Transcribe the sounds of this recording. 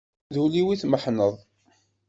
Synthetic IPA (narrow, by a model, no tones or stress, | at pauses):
ðuliwiθməħnəðˤ